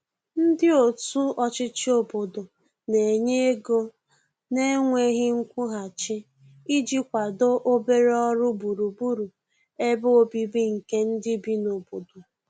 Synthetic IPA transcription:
n̩˦dɪ˦o˨tu˦ɔ˦t͡ʃɪ˦t͡ʃɪ˦o˦˨bo˨do˨ | ne˨ɲe˦e˦ɡo˦ | ne˦ŋʷe˦ɣɪ˦ŋ̩˦kʷu˦ɦa˨t͡ʃɪ˦ | i˦d͡ʒi˦kʷa˨do˦ʔo˦be˦ɾe˦ɔ˦ɾʊ˦bu˨ɾu˨bu˦ɾu˨ | e˦bo˦bi˦bi˦ŋ̩˨ke˦n̩˦dɪ˦bi˦no˨bo˨do˨

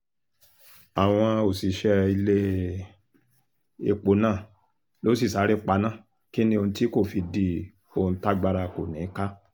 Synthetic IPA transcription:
a˨w̃ɔ̃˧o˨si˨˦ʃɛ˦i˧le˦ | e˧˨k͡po˨˦nãː˦˨ | lo˨˦si˦˨sa˨˦ɾi˦k͡pa˧nã˦˨ | ki˦nĩ˦o˧ũ˧ti˦ko˦˨fi˨˧di˧˦ | o˧˨ũ˧˦ta˦ɡ͡ba˧ɾa˧ko˨nĩ˨˦ka˦

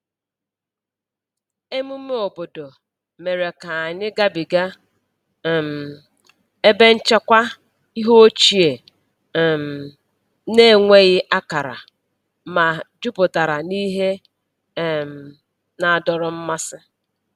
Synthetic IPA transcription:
e˦mu˦m˦me˦o˨bo˨do˨ | me˨ɾe˨ka˨a˨ɲɪ˦ɡa˦bi˨ɡa˦˨ | m̩˨ | e˦be˦n̩˦t͡ʃa˦kʷa˦ | i˦ɦo˦o˦t͡ʃi˨e˨ | m̩˨ | ne˦˨ŋʷe˦ɣɪ˦ʔa˦ka˨ɾa̰˨ | ma˨d͡ʒʊ˦pʊ˨ta˨ɾa˨ni˦ɦe˦˨ | m˨ | na˨a˨dɔ˨ɾɔ˨m̩˦ma˦sɪ˦

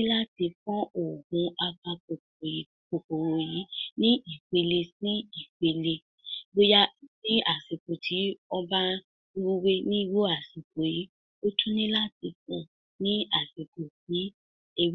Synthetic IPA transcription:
ĩ˦la˦ti˧fɔ̃˦o˨ɡũ˧a˧kã˧ko˨˦ | ko˨k͡po˨wo˨ji˨˦nĩ˦i˨k͡pe˧le˧sĩ˦i˦˨k͡pe˧le˧ | ɡ͡bo˦ja˦˨nĩ˦a˨si˨ko˨tʰi˨˦ɔ˦ba˦ | wu˦we˦nĩ˦wo˦a˦˨si˨ko˨ji˨˦ | o˦tʰũ˦nĩ˦la˦ti˧kɔ̃˦ | nĩ˦a˨si˨ko˨fi˨˦ | e˧w

